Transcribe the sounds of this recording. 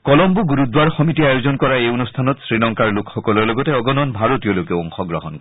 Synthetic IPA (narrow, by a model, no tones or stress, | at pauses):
kɔlɔmbuɡuɹudwaɹxɔmitiajozɔnkɔɹaejonustʰanɔtsɹinɔŋkaɹlʊkʰxɔkɔlɔɹlɔɡɔtɛɔɡɔnɔnbʱaɹotijɔlokɛɔŋxɔɡɹɔɦɔnkɔ